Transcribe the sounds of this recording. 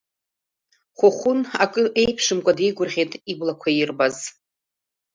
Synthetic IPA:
χʷʊχʷʊnakʼɨʔe̞jpʰʂɨmkʷʼadejɡʷʊrʁʲejtʼiblakʷʰajɪrbaz

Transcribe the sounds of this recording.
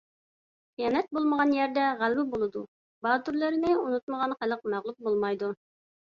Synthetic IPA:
qijɑnɛt̪̚bolˠməʁɑnjɛɾd̪ɛʁælbɪbolˠɨd̪u | bɑːt̪uɾlˠɨɾɪnɪunut̪məʁɑnχælˠəqmæʁlˠup̚bolˠmɑjd̪u

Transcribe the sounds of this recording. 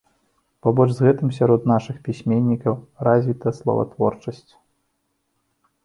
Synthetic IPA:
pabɔʐzɣɛt̪ɨms̬ʲaɾɔt̪naʂɨxpʲisʲmʲenʲːikɐwrazʲvʲit̪ɐslˠɐ̰vɐ̰t̪vɔ̰rt͡ʂɐsʲt͡sʲ

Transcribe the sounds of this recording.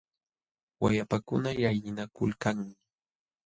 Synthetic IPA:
wa̰japakʊnajajnɪnakʊ̰lkaŋmɪ

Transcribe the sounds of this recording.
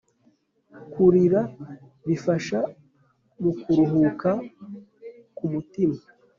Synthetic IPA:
kuɾiɾa | βifaʃa | ɡukuɾuɦuka | kumutima

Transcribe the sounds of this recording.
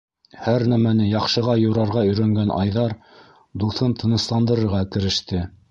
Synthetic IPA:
hæɾnæmænɘjɑqʃɤ̆ʁɑjŏɾɑɾʁɑɵ̆jɾæŋɡænʔɑ̰jðɑɾ | d̪uθɤnt̪ʰɤ̆nɤ̆slˠɑnd̪ɤ̆ɾɤ̆ɾʁɑkɘ̆ɾɘ̆ʃt̪ɘ

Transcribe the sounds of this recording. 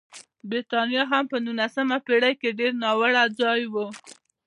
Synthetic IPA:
bɾit̪ɑnjɑɦampənunasəmapeɽajkeɖeɾnɑwəɽad͡zɑjwu

